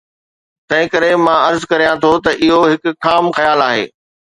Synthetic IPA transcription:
t̪ɐ̃ɦɪ̃kɐɾemãːɐɾzkɐɾijãt̪ʰot̪ɐʔɪɦoɦɪkʊ̆kaːmxɐjaːlaːɦḛː

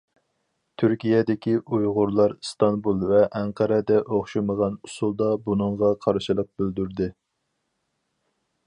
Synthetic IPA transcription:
t̪ʰyɾkʲijɛd̪ɪkʲʰiʔujʁʊɾlˠɑɾst̪ɑnbulˠvɛʔɛŋqʰɑɾɛd̪ɛʔoχʃɨməʁɑnusulˠd̪ɑbunɨɴʁɑqʰɑɾʃilˠəq̚bøld̪yɾd̪ɪ

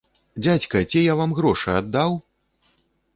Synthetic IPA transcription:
d͡zʲat͡sʲkɐt͡sʲijavamɣɾɔʂɨad̪ːaw

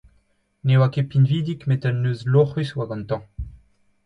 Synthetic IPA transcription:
newakepinviːd̪ikmetɛnːøːzloχyswaɡɑ̃nt̪ɑ̃

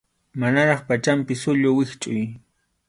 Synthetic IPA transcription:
manaɾɑχpat͡ʃampɪsʊʎʊwɪχt͡ʃʼʊj

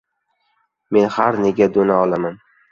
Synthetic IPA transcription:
me̞nhaɾneɡʲad̪onaɒlˠaman

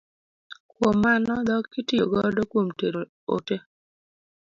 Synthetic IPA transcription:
kwomːanɔd̪ɔkːɪtɪjo̰ɡɔdɔkwomteɾo | o̰te

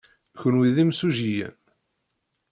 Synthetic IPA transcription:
çənwiðimsuʒijæ̰n

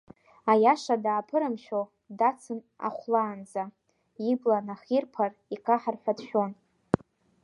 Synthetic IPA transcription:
ajaʂadaːpʰɨɾɨmʃᶣo | dat͡sʰɨn | a̰χʷlaːnd͡za | iblanaχirpʰarikʰʼaħarħʷᶣadʃᶣo̞n

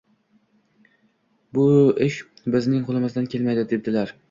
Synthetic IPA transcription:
bʊɪʃ | bɪznɪŋqʰʊlˠɪmɪzd̪ankʲe̞lmajd̪ɪd̪ed̪ɪlaɾ

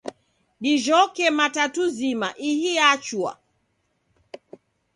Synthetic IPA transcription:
ɗiʒɔkɛmatatuzimaʔihiat͡ʃua̰

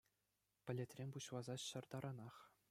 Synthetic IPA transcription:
pʲɘ̆lʲet̪ʲrʲemʲpuɕlˠɑzɑɕɤ̆rd̪ɑɾʔɑnɑχ

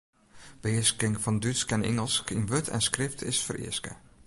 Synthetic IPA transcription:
b̥əɪəskɪŋfɔndyskɛnɪ̰ŋəlˠskɪŋʋøtʰɛ̰nskrɪftɪsfərɪ̰əskə̰

